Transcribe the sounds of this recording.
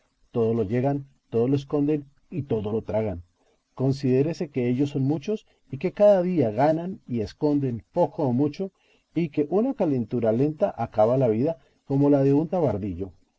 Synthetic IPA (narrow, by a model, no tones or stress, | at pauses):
t̪o̞ðo̞lo̞ʝe̞ɣant̪oðo̞loes̬ko̞nd̪e̞n | it̪o̞ðolot̪ɾaɣan | ko̞ns̬iðe̞ɾese̞ke̞eʝosːo̞nmut͡ʃo̞s | ike̞kaðaðiaɣananie̞sko̞nd̪e̞npo̞koːmut͡ʃo̞ | ike̞ʔunakale̞nt̪uɾale̞nt̪aʔakaβalaβiða | ko̞mo̞laðe̞unt̪aβaɾðiʎo̞